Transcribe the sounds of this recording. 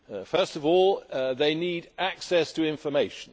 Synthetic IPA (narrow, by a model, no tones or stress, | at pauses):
fɜˑ˞stʌvɔlˠðeɪnidæksɛstʰəɪ̃ɱfəmeɪʃə̃n̩